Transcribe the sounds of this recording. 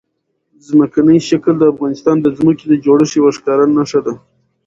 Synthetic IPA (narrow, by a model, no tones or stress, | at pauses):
zməkanəjʃakld̪əafɣɑnɪst̪ɑnd̪əzməked̪əd͡ʒoɽəʂiwaʂkɑɾanːaʂad̪a